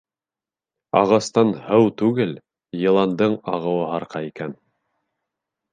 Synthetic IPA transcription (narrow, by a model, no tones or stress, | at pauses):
ɑ̰ʁɑst̪ɑnhɤwt̪ʉɡɘl | jɤ̆lˠɑnd̪ɤɴɑʁɤ̆wɤɦɑɾqɑikæn